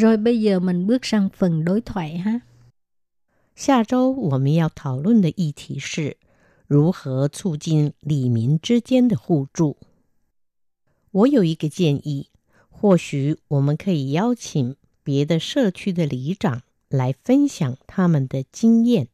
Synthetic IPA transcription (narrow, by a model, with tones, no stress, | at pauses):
zo˨˩jɓə˧˥ɪzəː˨˩mi˨˩ŋɓɨ˦˥ək̚sa˥˧ŋfə˨˩nɗo˨˦jt̪ʰwa̰˧˩jɦaː˦˥ | ɕja˥˩ʈ͡ʂo˥ʊwɔ˨˩mə˦njɑ˥˩ʊt̪ʰɑ˨˩ʊlwə˥˩nd̪ə˩ʔi˥˩t̪ʰi˧˥ʂɻ̩˥˩ | ɻu˧˥xɤ˧˥t͡sʰu˥˧t͡ɕi˥˩nli˨˩mi˧˥ŋʈ͡ʂɻ̩˥t͡ɕjɛ˥nd̪ə˨xu˥˧ʈ͡ʂu˥˩ | wɔ˧˥jo˨˩ʊi˧˥ɡə˧t͡ɕjɛ˥˧nʔi˥˩ | xwɔ˥˩ɕy˨˩˦wɔ˨˩mə˦nkʰɤ˧˥i˨˩jɑ˥ʊt͡ɕʰi˨˩ŋ | pjɛ˧˥d̪ə˧ʂɤ˥˧˩t͡ɕʰy˥d̪ə˨li˧˥ʈ͡ʂɑ˨˩ŋ | la˧˥ɪfə˦˥nɕjɑ˨˩ŋt̪ʰa˥mə˨nd̪ə˩t͡ɕi˥ŋjɛ˥˩n